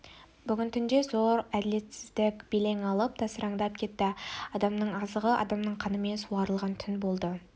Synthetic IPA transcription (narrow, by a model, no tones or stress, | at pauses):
bʏɡʲɪnt̪ʰʏnd̪e̞zo̞ɾæd̪ɪle̞t̪sɪzd̪ɪkʲb̥ele̞ŋɑlˠəp̚t̪ʰɑsəɾɑɴd̪ɑp̚kʲʰe̞t̪ːɪɑd̪ɑmnəɴɑzəʁəʔɑ̰d̪ɑmnəɴqʰɑnəme̞nsuɑɾəlˠʁɑnt̪ʰʏnbo̞lˠd̪ə